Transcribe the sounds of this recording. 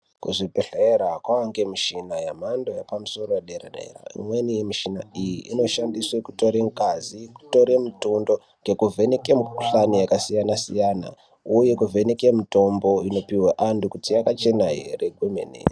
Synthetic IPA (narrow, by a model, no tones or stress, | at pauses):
kuʐipeɬeɾakwawaŋɡe̞miʃinajamandojapamuso̞roeɗeɾaɗḛra̰ḭmwenimiʃina̰ijḭʔino̞ʃandiswekuto̞ɾe̞ŋkaziku̥to̞ɾe̞mutundo̞ | ŋɡe̞kuvʱe̞nekemɬanijakasijanasijaːna̰ | uje̞kuvʱenekemito̞mbo̞ino̞piweʔandukutijakat͡ʃe̞naɦereɡʱwemḛnḛra